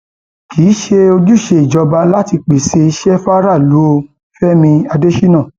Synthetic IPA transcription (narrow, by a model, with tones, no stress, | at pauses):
kiː˨˦ʃe˧o˧d͡ʒu˦˨ʃe˧i˨d͡ʒɔ˧ba˧la˦ti˧k͡pe˨se˧i˧ʃɛ˦fa˦ɾa˦˨lu˨˦o˧ | fɛ˦mĩ˧a˧de˦ʃi˦nã˦˨